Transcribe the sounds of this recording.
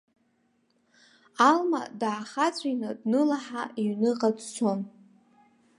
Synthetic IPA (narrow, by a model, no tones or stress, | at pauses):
alma̰daːχat͡sʷʼinɨdnɨlaħaʔiɥnɨqʼad͡zt͡ʃʷʰon